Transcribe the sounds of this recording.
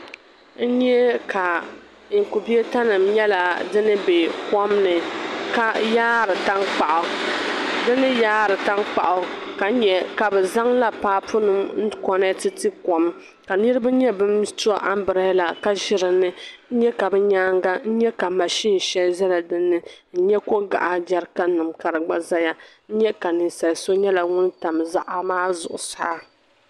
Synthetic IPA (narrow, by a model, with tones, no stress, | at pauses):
n̩˦ɲɛ˦ka˨ | ku˨bi˦e˦ta˦nɨ˨mɲɛ˦la˨dɨ˦nɨ˦be˨kɔ˦mnɨ˨ka˦jaː˦ɾɨ˨ta˦nk͡pa˨ʔʊ˨ | dɨ˦nɨ˦jaː˦ɾɨ˨ta˦nk͡pa˨ʔʊ˨ka˨n̩˦ɲɛ˨ka˨bɛ˨za˦ŋla˦paː˦pʊ˦nɨ˨mn̩˦kɔ˦nɛ˦tɨ˦tɨ˦kɔ˨m | ka˨nɨ˦ɾɨ˦ba˦ɲɛ˦bɨ˦mtu˦a˨ʔa˦m˦bɨ˨ɾa˦la˨ka˦ʒɪ˦ɾɨ˨nɨ˦n̩˦ɲɛ˦ka˨bɛ˦ɲaː˦ŋɡa˦n̩˦ɲɛ˦ka˨ma˨ʃi˦n˨ʃɛ˦lza˦la˨dɨ˦nːɨ˦n̩˦ɲɛ˦ko˦ɡa̰˨ʔa˨da˦ɾka˦nɨ˨mka˨ɾɨ˨ɡ͡ba˦za˦ja˦n̩˦ɲɛ˦ka˨nɨ˨sa˨lso˦ɲɛ˦la˨ŋʊ˦nta˨mza˦ʔa˦maː˦zʊ̰˨ʔʊ̰˨sa̰˦